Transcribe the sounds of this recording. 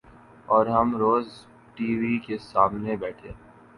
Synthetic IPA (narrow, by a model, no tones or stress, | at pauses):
ɔːɾɦɐmɾoːz | ʈiːʋikesaːmnebɛːʈʰeː